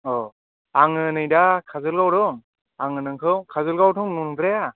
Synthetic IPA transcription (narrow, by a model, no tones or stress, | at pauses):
ɔ | aŋɯnɯjdakʰazɯlɡawɾɯŋ | aŋɯnɯŋkʰɯwkʰazɯlɡawtʰɯŋnundɾaja